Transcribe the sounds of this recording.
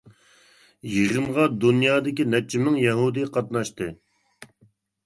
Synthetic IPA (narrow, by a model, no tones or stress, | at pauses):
jeʁəmʁɑd̪unjɑːd̪ɪkʲinɛt͡ʃʰːɪmɪŋjɛɦud̪ɨqʰɑt̪̚nɑʃt̪ɨ